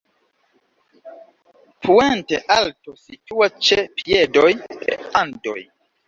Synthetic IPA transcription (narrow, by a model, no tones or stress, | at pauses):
pʰuenteʔaltosituat͡ʃepiedojpḛando̰j